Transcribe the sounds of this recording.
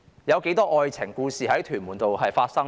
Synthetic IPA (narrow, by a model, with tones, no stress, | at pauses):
jɐ˨˧wke˨˥jt̪ɔː˥ʔɔː˨˧jt͡sʰɪ˨˩ŋkuː˧siː˨ɦɐ˨˥jt̪ʰyː˨˩nmuː˨˩nt̪o˨wɦɐ˨jfaː˧t̚sɐ˥ŋ